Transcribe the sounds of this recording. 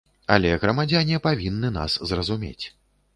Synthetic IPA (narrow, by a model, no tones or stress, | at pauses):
a̰lʲɛɣɾɐmad͡zʲanʲɛpavʲinːɨna̰szrɐzumʲḛt͡sʲ